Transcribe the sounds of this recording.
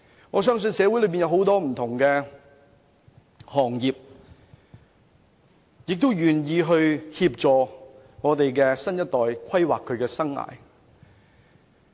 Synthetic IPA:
ŋɔː˨˧s̬œː˥ŋs̬ɵ˧nsɛː˨˧wjlɵ˨˧ɥpiː˨˩jɐ˧who˨˥wt̪ɔː˥m̩˨˩t̪ʰʊ˨˩ŋkɛː˧ | hɔː˨˩ŋjiː˨p̚ | jɪ˨k̚t̪o˥wjyː˨˩njiː˨˧ɦɵ˧ɥhiː˧p̚t͡ʃɔː˨ | ŋɔː˨˧t̪e˨jkɛː˧sɐ˥njɐ˥t̪̚ːɔː˨jkʷʰɐ˥jwa̰ː˨kʰːɵ˨˧ɥkɛː˧sɐ˥ŋa̰ː˨j

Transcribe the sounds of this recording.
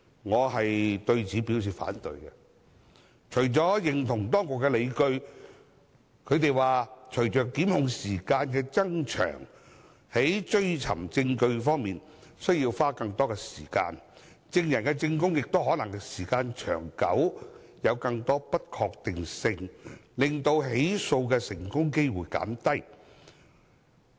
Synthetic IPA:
ŋɔː˨˧ɦɐ˨jt̪ɵ˧ɥt͡siː˨˧pi˨˥ws̬iː˨˩fa̰ː˨˥nt̪ɵ̰˨˧jkɛ˧ | t͡ʃʰɵ˨˩ɥt͡ʃɔː˨˥jɪ˨˩ŋt̪ʰʊ˨˩ŋt̪ɔː˥ŋkʊ˨kːɛ˧le˨˧jkɵ˧ɥ | kʰɵ˨˧ɥt̪e˨jwaː˨t͡ʃʰɵ˨˩ɥt͡ʃœː˨kːiː˨˥mhʊ˨˧ŋsiː˨˩kaː˧nkɛː˧t͡sɐ˥ŋt͡ʃʰœ̰ː˨˩ŋ | he˨˥jt͡ʃɵ˥ɥt͡sʰɐ̰˨˩mt͡sɪ˧ŋkɵ˧ɥfɔː˥ŋmiː˨n | sɵ˥ɥjiː˧wfaː˥kɐ˧ŋt̪ɔː˥kɛː˧siː˨˩ka̰ː˧n | t͡sɪ˧ŋjɐ˨˩nkɛ˧t͡sɪ˧ŋk̬ʊ˥ŋjɪ˨k̚t̪o˥wɦɔː˨˥nɐ˨˩ŋkɛ˧siː˨˩kaː˧nt͡ʃʰœ̰ː˨˩ŋkɐ̰˨˥w | jɐ˨˧wkɐ˧ŋt̪ɔː˥pɐ˥t̚kʰɔː˧k̚t̪ɪ˨ŋsɪ˧ŋlɪ˨ŋt̪o˧wɦe˨˥jso˧wkɛː˧sɪ˨˩ŋkʊ˥ŋke˥jwuː˨˩jka̰ː˨˥nt̪ɐ˥j

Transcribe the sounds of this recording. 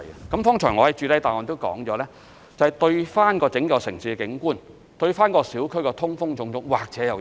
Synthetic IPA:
ɐ˨kɐ˨˥mfɔː˥ŋt͡ʃʰœː˨˩ŋɔː˧hɐ˨˥jt͡ʃyː˧t̪ɐ˥jt̪aː˨jŋɔː˨nt̪o˥wkɔ̰ː˨˥ŋt͡ʃɔː˨˧˥lɛː˥ | t͡sɐ˨whɐ˨jt̪ɵ˧ɥfaː˥nkɔː˧t͡sɪ˨˥ŋkɐ˨˧wsɪ̰˨˩ŋsiː˧kɪ˨˥ŋkuː˥˩n | t̪ɵ˧ɥfaː˥nkɔː˧siː˨˥wkʰɵ˥kɛː˧t̪ʰʊ˥ŋfʊ˥ŋt͡sʊ˧ŋt͡sʊ˥ŋwaː˨k̚t͡sɛ˨˥jɐ˨w

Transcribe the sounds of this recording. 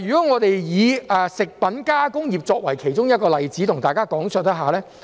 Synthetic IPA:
jyː˨˩kɔː˨˥ŋɔː˨˧t̪e˨jjiː˨˧ɛː˨sɪ˨k̚pɐ˨˥nkaː˥kʊ˥ŋjiː˨p̚t͡sɔː˧k̚wɐ˨˩jkʰe˨˩jt͡ʃʊ˥ŋjɐ˥t̚kɔː˧lɐ˨jt͡siː˨˥t̪ʰʊ˨˩ŋt̪aː˨jkaː˥kɔː˨˥ŋsœ˧t̪ɐ˥ɦaː˨˩lɛː˥

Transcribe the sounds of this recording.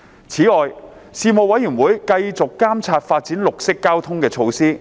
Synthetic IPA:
t͡sʰiː˨˥ɔː˨jsiː˨˧mo˨˧wɐ˨˥jːyː˨˩nwuː˨˥jkɐ˧jt͡sʊ˨kːaː˥mt͡sʰaː˧t̚faː˧t̚t͡siː˨˥nlʊ˨k̚sɪ˥kːaː˥wt̪ʰʊ˥ŋkɛː˧t͡sʰo˧wsiː˥

